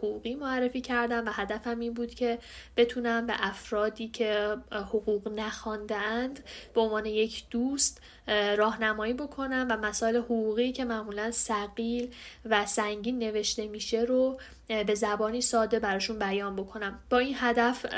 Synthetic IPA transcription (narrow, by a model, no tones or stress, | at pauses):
hoɣuɣiːmoærːe̞fiːcʰæɾd̪æmvæɦæd̪æfæmiːnbuːd̪̥cʰe̞ | b̥e̞t̪ʰunæmbe̞̰ʔæfɾɒːd̪iːcʰe̞hoɣuːɣnæxɒnd̪eænd̪beonvɒːne̞je̞cʰd̪̥uːst̪ | ɾɒːhnæmɒːiːbo̞kʰo̞næmvæmæsɒːe̞lehoɣuːɣiːcʰe̞mæʔmuːlænsæɣiːlvæsæŋɟiːnːe̞ve̞ʃt̪e̞miːʃe̞ɾo | be̞zæbɒːniːsɒːd̪e̞bæɾɒːʃunbæjɒːnbo̞kʰo̞næmbɒːinɦæd̪æf